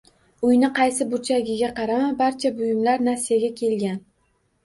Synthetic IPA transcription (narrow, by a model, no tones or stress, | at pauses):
ʊjnɪqʰɑjsɪbʊt͡ʃʰaɡʲɪɡʲaqʰɑɾamabaɾt͡ʃʰabʊjɪmlaɾnasijaɡʲakʲʰe̞lɡʲan